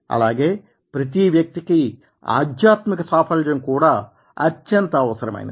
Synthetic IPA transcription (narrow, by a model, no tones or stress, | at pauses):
ɐ̰laːɡe̞ː | pɾɐt̪̬iʋjɐk̚t̪iki | a̰ːd̪jaːt̪mikɐsaːpʰɐld͡ʒɐnkuːɽaː | ɐt͡ʃːɐnt̪ɐːʋɐsɐɾɐmɐ̰j̰n